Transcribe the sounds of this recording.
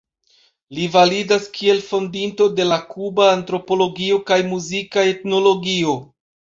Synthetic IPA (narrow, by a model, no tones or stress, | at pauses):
livalidaskʰie̞lfo̞ndinto̞de̞lakubaːntɾo̞po̞lo̞ɡio̞kajmuzikae̞tno̞lo̞ɡio̞